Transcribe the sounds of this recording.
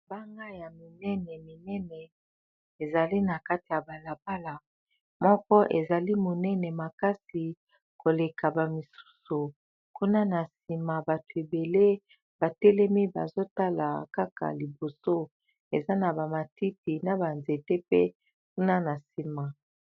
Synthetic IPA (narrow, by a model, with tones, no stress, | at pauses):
ba˦ŋɡa˦ja˨mi˨nɛ˦nɛ˨mi˨nɛ˦nɛ˨ | e˨za˨li˦na˨ka˦ti˨ja˨ba˨la˨pa˦la˨ | mɔ˦kɔ˦ʔe˨za˨li˦mo˨nɛ˦nɛ˨ma˨ka˦si˨ | ko˨le˨ka˨ba˨mi˨su̥˦su˨ | ku˦na˦na˨si˨ma˨ba˨tu˨e˨be˨le˦ | ba˨tɛ˦lɛ˦mi˦ba̰˨zo˦ta˦la̰˨ka˦ka̰˨li˨bo˨so˦ | e˨za˦na˨ba˨ma˨ti˦ti˨na˨ba˨nze˨te˦pḛ˦ | ku˦na˦na˨si˨ma˨